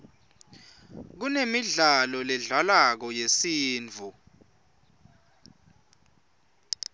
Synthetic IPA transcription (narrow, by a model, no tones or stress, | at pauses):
k̬unemiɮalɔlɛɮalak̬ɔjesiːnd͡vʱu